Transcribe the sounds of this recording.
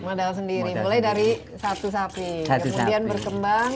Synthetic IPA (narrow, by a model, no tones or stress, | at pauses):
madals̬əndiɾimulajdaɾi | sat̪us̬apikəmudianbərkəmbaŋ